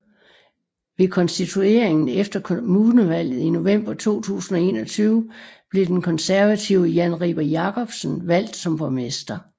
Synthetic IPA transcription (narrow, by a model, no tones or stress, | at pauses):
ʋe̝kʰɒ̽nsd̥it͡sʰue̝ɐ̰eŋn̩efd̥ɐkʰmunəʋæl̰ð̩ˠino̝ʋem̰b̥ɐt͡sʰo̝̰ːt͡sʰṵːsn̩ɒ̽e̝ːnɒ̽t͡sʰyːʊəb̥le̝d̥enkʰɒ̽nsæɐʋæt͡sʰiʊ̰əjænʁḭb̥ɐjɑ̈kʰɒ̽b̥sn̩ʋæl̰d̥sɒ̽mpʰʁɔmesd̥ɐ